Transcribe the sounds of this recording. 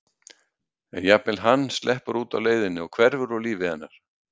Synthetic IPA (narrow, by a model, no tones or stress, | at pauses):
ɛnjap̚mɪlɦanːst̪lʔɛhpaɾuːt̪awleːjðɪnːɪɔkʰvɛɾvʏɾɔliːvɪhanːaɾ̥